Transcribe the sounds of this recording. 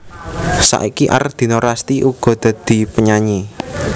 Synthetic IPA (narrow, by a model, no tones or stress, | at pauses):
sa̰ʔikiʔa̰rd̪̥i̤noɾast̪iʔuɡ̥ɔ̤d̪̥ä̤d̪̥i̤pəɲaɲi